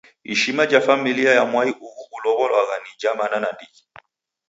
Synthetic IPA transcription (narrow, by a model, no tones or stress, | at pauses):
ḭʃimad͡ʒafamiliajamwaiʔuɣuɣulɔɣɔlwaɣanid͡ʒamananandiɣi